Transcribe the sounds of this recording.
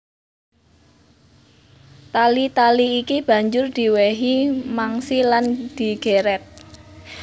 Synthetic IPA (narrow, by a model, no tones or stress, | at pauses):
t̪alit̪aliːkib̥ä̤ɲd͡ʒʊrd̪̥i̤weɦimaŋsiland̪̥i̤ɡ̥eɾɛt̪̚